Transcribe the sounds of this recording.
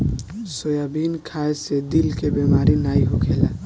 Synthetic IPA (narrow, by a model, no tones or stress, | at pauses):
sojabinkʰaesed̪ilkebemaɾinaiɦokʰela